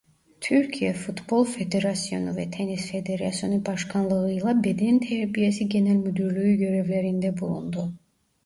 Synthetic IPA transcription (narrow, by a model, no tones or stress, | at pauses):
t̪ʰyɾcʰijɛfut̪bo̞lˠfe̞d̪e̞ɾasijo̞̰nuvɛt̪ʰenisfe̞d̪e̞ɾasjo̞nubɑʃkʰɑnlˠɯɯjlˠabe̞d̪ɛnt̪ʰæɾbijesiɟe̞nælʲmyd̪yɾlʲyyɟø̞ɾevlʲeɾind̪ɛbulˠṵnd̪u